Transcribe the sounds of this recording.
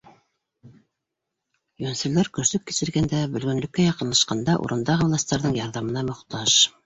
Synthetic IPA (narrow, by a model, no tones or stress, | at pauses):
jɵnsɵ̆læɾkɵ̆ɾsɵp̚ki̥ʃɘ̆ɾɡænd̪æbɵ̆lɡɵ̆nlɵ̆kːæjɑqɤ̆nlˠɑʃqɑnd̪ɑʔṵɾɤ̆nd̪ɑʁɤvlˠɑst̪ɑɾðɤɴjɑɾðɑmɤ̆nɑmŏχt̪ɑʃ